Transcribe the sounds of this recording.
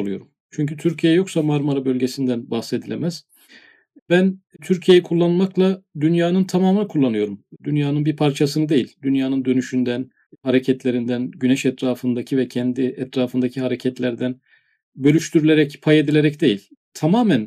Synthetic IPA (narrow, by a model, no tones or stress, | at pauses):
lˠujo̞̰ɾum | t͡ʃʰyɲcʰyt̪ʰyɾcʰijɛjo̞ksamaɾmaɾabø̞lʲɟe̞sind̪ænbahse̞d̪ilʲemæz̥ | bænt̪ʰyɾcʰije̞jɛkʰulˠːanɯlmaklˠad̪ynjaːnɯnt̪ʰamaːmɯnkʰulˠːanɯjo̞ɾumd̪ynjaːnɯnbiɾpʰaɾt͡ʃʰasɯnɯd̪e̞jilʲd̪ynjaːnɯnd̪ø̞nyʃynd̪æn | haɾecʰɛt̪lʲe̞ɾind̪ænɟynɛʃɛt̪ɾaːfɯnd̪acʰivɛcʰɛnd̪iɛt̪ɾaːfɯnd̪acʰiɦaɾecʰɛt̪lʲæɾd̪æn | bø̞lʲyʃt̪ʰyɾylʲe̞ɾɛcpʰaje̞d̪ilʲe̞ɾɛcd̪e̞jilʲ | t̪ʰamaːmæn